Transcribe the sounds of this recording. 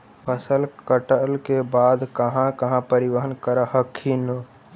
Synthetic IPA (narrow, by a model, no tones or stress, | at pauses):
pʰəsəlkəʈəlkebaːd̪kəɦãkəɦãpəɾiʋəɦənkəɾəhəkʰːinə